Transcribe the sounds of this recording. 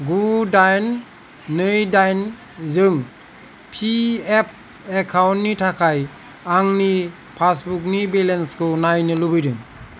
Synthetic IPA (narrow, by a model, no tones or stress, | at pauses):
ɡudajnː | ɯjdajn | zɯŋ | pʰiɛp̚ | ɛkʰawntːitʰakʰaj | aŋni | pʰasbuk̬̚nibelɛnskʰɯnajnɯlubɯjdɯŋ